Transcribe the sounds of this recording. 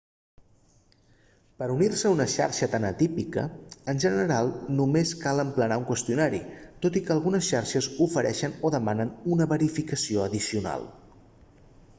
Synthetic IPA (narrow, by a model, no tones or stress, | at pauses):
pəɾunirsəunəʃa̰ɾʃət̪anət̪ipikə̰ənʲʒənəɾalˠnumeskaləmplənauŋkwəst̪iunaɾḭt̪ot̪ikəːlˠɣunəsʃaɾʃəzufəɾʔɛʃənoðəmanənunəβəɾifikəsioəðisiuna̰lˠ